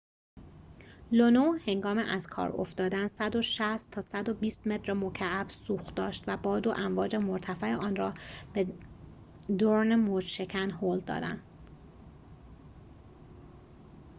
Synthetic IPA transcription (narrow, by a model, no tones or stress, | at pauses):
lonohe̞ŋɡɒːmeʔæz̥kʰɒ̰ːɾo̰ft̪d̪ɒːd̪ænsæd̪o̞ʃæst̪ʰːɒːsæd̪o̞biːst̪me̞t̪ʰɾemo̞cʰæʔæbsuːxd̪ɒːʃt̪væbɒːd̪oʔæɱvɒːd͡ʒemoɾt̪ʰæfæeɒːnrɒːb̥e | d̪oɾnemod͡ʒʃe̞cʰænɦoːld̪ɒ̰ːd̪æ̰nd̪